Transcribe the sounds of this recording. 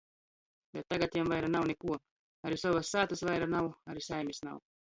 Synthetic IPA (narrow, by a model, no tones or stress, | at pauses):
bet̪ːaɡat̪jamvajɾanawnekuɔ | aɾisɔvasːaːt̪ɨsvajɾanawaɾisajmʲisna̰w